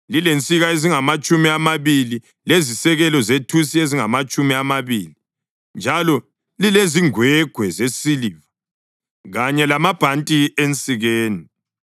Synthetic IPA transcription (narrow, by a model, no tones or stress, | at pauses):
lilent͡sʼiɣaeziŋamat͡ʃʼumiamaβili | lezisɛɣɛlɔzetʰusieziŋamat͡ʃʼumiamaβiːli | nd͡ʒʱalɔ | lileziŋwɛɡ̥ʱwɛzesiliːva | ɣaɲɛlamab̥ʱantʼient͡sʼiɣeːni